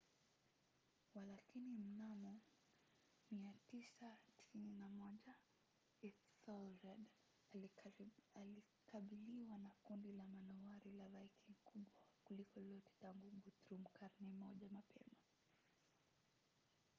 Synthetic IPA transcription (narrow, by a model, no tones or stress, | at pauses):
walakinim̩namɔ | miatisatnamɔʄa | i | sɔlɾɛd | ali | kʰaɓiliwanakundilamanɔwaɾilavaikʰiŋkuɓwakulikɔlɔtɛ̥taŋɡuɡutɾum̩kaɾnɛmɔʄamapʰɛ̰ma